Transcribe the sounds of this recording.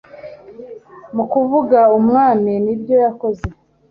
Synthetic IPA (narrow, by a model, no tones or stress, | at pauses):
mukuvuɡaumŋaːninibjo̞jako̞ze̞